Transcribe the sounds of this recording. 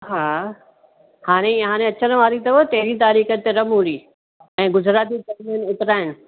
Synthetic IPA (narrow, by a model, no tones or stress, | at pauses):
ɦaː | haːɽ̃eɦãːɽ̃ẽɐt͡ɕənʋaːɾit̪ɐʋot̪eɦɾĩt̪aːɾiːxət̪eɾɐmɦuɾiː | ɛ̃ːɡʊd͡ʑʱɾaːt̪ikɐɾmənɪt̪ɪɾaːɦɪnɪ̆